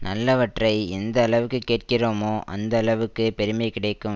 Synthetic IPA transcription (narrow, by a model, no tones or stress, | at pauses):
nɐlːɐʋɐʈrɐɪɛnd̪ɐːɭɐʋɯkːɯkːeːʈ̚kɪroːmoːʔɐ̰nd̪ɐːɭɐʋɯkːɯpɛɾɯmɐɪkɪɽɐɪkːɯm